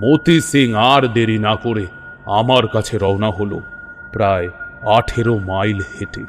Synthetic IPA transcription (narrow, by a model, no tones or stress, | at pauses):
mot̪isiŋaɾd̪eɾinakoɾe | amaɾkat͡ɕʰeɾɔonaɦolo̰ | pɾaeaʈʰeɾomajlheʈe